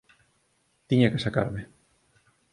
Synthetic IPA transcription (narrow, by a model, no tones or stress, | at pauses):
t̪iɲakɪ̥saka̰ɾme